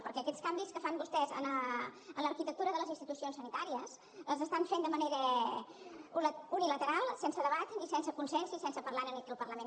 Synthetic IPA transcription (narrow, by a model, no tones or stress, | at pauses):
pəɾkɛəkɛskambiskəfambust̪ɛzə̰nəənləːɾkit̪ək̚t̪uɾəðələzinst̪it̪usionsənit̪aɾiəz | əzəst̪aɱfend̪əməneɾə | unilət̪əɾalˠsensəðəβat̪nisɛnsəkunsɛnsisɛnsəpəɾlaɾənəkɛlpərləmen